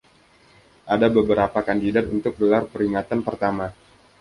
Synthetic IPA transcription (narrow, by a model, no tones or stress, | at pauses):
ʔadabəbəɾapakandidat̪unt̪ʊk̚bəlarpəɾiŋat̪anpərt̪ama